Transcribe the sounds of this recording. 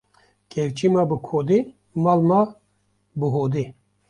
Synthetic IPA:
kʰewt͡ʃimabɨkʰod̪i | malma | bɨɦod̪i

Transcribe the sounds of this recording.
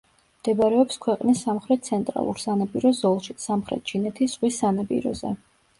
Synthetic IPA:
md̪̥ɛbaɾɛɔpskʰwɛqʼnisːamχɾɛt̪̚t̪sʰɛnt̪ʼɾa̰lˠṵɾsanapʼiɾɔzɔlˠʃisamχɾɛ̰t̪̚t͡ʃʰinɛt̪ʰisʁwisːanapʼḭɾɔ̰zɛ̰

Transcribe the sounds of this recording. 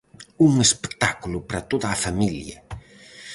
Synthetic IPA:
uŋespe̥t̪akulʊpɾɐt̪oðɐːfamiljɐ̰

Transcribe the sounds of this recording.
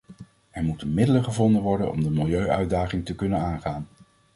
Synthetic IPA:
ɛɹmutənmɪdələχəvɔndənʋɔɹdə̰nɔ̰mdəmɪlˠjøɥœɥdaːχɪŋtəkɵnənaːnχaːn

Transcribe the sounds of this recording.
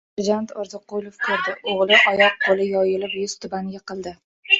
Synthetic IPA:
ɪɾd͡ʒant̪ʰɒɾzɨqʊlˠofkʰɵɾd̪ɪʔoʁlˠɪʔɒjɒq̚qʰolɪjɒjɪlɪpjʊz̥t̪ʰʊbaŋɡʲaqʰɨlˠd̪ɪ

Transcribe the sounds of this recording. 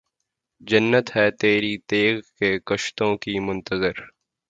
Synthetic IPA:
d͡ʒɐnːət̪ɦɛːt̪eːɾit̪eːɡkekɐʃt̪õkimʊ̃nt̪əzɪɾ

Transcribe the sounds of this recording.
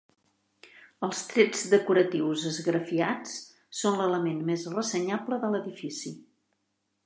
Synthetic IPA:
əlˠst̪ɾɛd͡zd̪əkuɾət̪iwzəzɣɾəfiat͡s | sonlələmenmezrəsəɲabləðələðifisi

